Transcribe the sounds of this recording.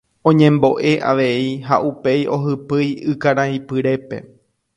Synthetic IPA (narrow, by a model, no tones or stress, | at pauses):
õ̞ɲẽ̞mbo̞ʔe̞ʔaʋe̞iɦa̰ʔupe̞jʔo̞ɦɨpɨjɨkaɾãĩpɨɾe̞pe̞̰